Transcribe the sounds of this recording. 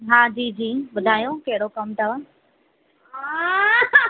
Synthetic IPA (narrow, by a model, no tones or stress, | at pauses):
ɦãːd͡ʑiːd͡ʑiːɓʊd̪ʱaːjõkeɦɪɽokɐmt̪ɐʋa | ɦa